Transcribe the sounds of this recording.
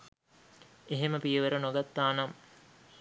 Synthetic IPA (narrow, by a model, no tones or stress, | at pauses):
eɦeməpijəʋeɾənoɡat̪ːaːnam